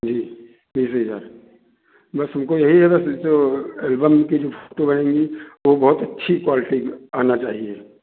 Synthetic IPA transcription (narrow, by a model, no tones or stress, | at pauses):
d͡ʒiː | biːs̬ɦəd͡ʒa̰ːɾ | bɐsɦʊmkojɐɦiɦɛbɐsd͡ʒoːeːlbəmkid͡ʒoːfʰo̥ːʈobɐñẽːŋɡiʋobɐɦʊt̪ɐtːʃʰikwaːlɪʈiaːnat͡ʃaːɦieː